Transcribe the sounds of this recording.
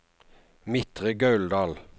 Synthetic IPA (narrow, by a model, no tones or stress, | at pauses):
mɪt̪ʁəɡɑʉld̪ɑːl